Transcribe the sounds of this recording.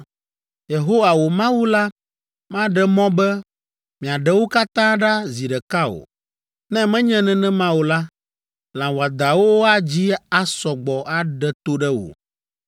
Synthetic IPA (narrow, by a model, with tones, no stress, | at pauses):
je˨ɦo˦wa˨wo˨mã˦wu˦la˦ | mã˦ɖɛ˨mɔ̃˦bɛ˦ | mĩ˨a˨ɖɛ˦wo˦ka˦t̪ã˦ɖa˦zi˨ɖɛ˨ka˦o̰˨ | nɛ̃˦mɛ̃˦ɲɛ̃˦nɛ̃˦nɛ̃˦mã˦wo˨la˦ | lã˨wo˨a˨d̪a˨wo˦wo˦a˦d͡ʑi˦a˦sɔ˨ɡ͡bɔ˨ʔa˦ɖɛ˨t̪o˦ɖɛ˦wo̰˨